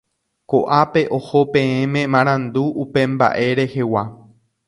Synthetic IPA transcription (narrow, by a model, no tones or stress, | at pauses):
koʔape̞ʔo̞ho̞pẽ̞ẽmẽmãɾ̃ãnd̪uʔupe̞mba̰ʔe̞ɾe̞he̞wa